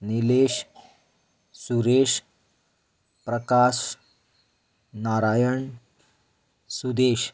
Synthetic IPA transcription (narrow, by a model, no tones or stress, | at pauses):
nileːɕ | suɾeɕ | pɾəkaːʃ | naɾajəɳ | sud̪eːɕ